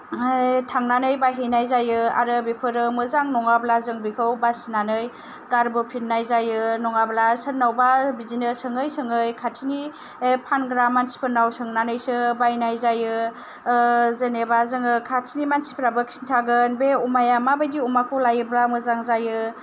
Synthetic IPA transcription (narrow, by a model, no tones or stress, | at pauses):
tʰaŋnanɯjbajɦijnajzajɯa̰ɾɯbepʰɯɾɯmɯzaŋnɔŋablazɯŋbikʰɯwbasinanɯj | ɡaɾbɯpʰinnajzajɯnɔŋablasənːawbabizinɯsɯŋɯjsɯŋɯjkʰatʰini | epʰanɡɾamːansi̥pʰɯnawsɯŋnanɯjsɯbajnajzajɯ | zenebazɯŋɯkʰatʰinimansi̥pʰɾabɯkʰisintʰaɡɯnbeumajamabajdiumakʰɯlajɯblamɯzaŋzajɯ